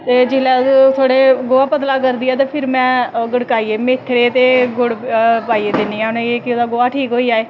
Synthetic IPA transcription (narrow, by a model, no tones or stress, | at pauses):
t̪eːd͡ʒɪlɛːt̪ʰoːɽeːɡoːaːpət̪laːk̬əɾd̪iːɛːt̪̬aːpʰɪɾmɛ̃ːɡəɽkaːiːeːmeːt̪ʰːɽeːt̪eːɡʊɽpaːiːeːd̪ɪniːɛ̃ːʊneeːkɪoːd̪aːɡoːaːʈʰiːkɦoːiːaːeː